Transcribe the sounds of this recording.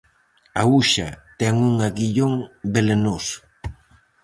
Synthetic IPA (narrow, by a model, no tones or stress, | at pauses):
auʃat̪ɛŋuŋaɣiʎoŋbelenos